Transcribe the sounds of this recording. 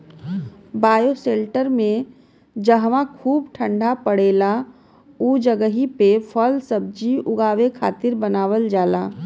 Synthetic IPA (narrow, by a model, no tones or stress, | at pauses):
baːjoseːlʈəɾmẽ | d͡ʒəɦʋãkʰuːbʈʰə̃ɳɖʱapəɽeːla | uːd͡ʒəɡəɦipefʰɔlsəb̚d͡ʒiʊɡaːʋekʰa̰ːt̪ɪɾbənaːʋəld͡ʒaːlaː